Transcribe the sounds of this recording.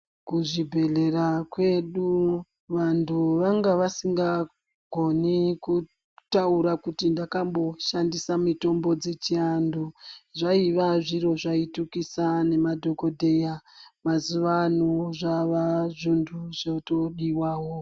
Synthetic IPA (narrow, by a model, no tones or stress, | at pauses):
kuʐibʱe̞ɮe̞rakwe̞ɗu | ʋantʰuʋaŋɡaʋasiŋɡa | ɡʱo̞niku | tauɾakutindakambo̞ʃandisamito̞mbo̞d͡zet͡ʃianduʐaiʋaʐiɾo̞ʐaitukisane̞madʱo̞ko̞dʱe̞jamazuʋanuʐaʋaʐundʰʱuʐotoɗiwaːɦo